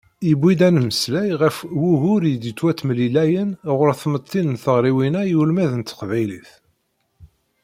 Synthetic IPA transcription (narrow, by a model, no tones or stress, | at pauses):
jəbʷːid̪ænməslæjʁəfwuɦʊɾjəd̪it̪ːwæt̪ːmlilæjənʁʊɾθmət̪ʰˤːinnθəʁɾiwinæjulmæðənt̪ːə̥qvæjliθ